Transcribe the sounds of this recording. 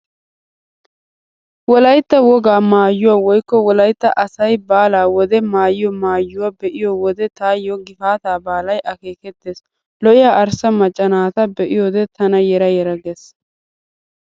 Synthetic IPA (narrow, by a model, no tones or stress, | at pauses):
wɔlɐjt̪ːɐwɔɡaːmaːjːʊwaːwɔjkːɔwɔlɐjt̪ːɐʔɐsɐjbaːlaːwɔd̪ɛmaːjɪjɔmaːjːʊwaːbɛʔɪjɔwɔd̪ɛt̪aːjɔɡɪfaːt̪aːbaːlɐjʔɐke̞ːkɛt̪ːeːs | lɔʔɪjaːʔɐɾsɐmɐt͡ʃʼːɐnaːt̪ɐbɛʔɪjod̪ɛt̪ʰɐnɐjɛɾɐjɛɾɐɡes